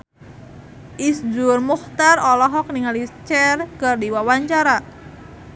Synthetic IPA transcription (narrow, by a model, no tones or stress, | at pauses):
ʔisd͡ʒʊrmuxt̪arɔlɔɦɔk̚niŋalit͡ʃɛrkərdiwawaɲt͡ʃaɾa